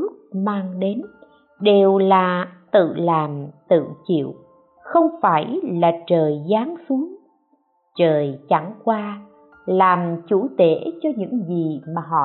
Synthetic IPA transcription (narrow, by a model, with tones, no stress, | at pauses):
k̚maː˧ŋɗe˨˦n | ɗe˨˩wlaː˨˩t̪ɨ̰˧˨laː˨˩mt̪ɨ̰˧˨t͡ɕḭ˧˨əw | xə˧wŋ͡mfaː˧˩jlaː˨˩t͡ɕəː˨˩jzaː˨˦ŋsu˨˦əŋ | t͡ɕəː˨˩jt͡ɕa˧˩ŋkwaː˧ | laː˨˩mt͡ɕu˧˩˥t̪e˧˩˥t͡ɕɔ˧ɲɨ̰˧˥ŋzi˨˩maː˨˩ɦɔ̰˧˨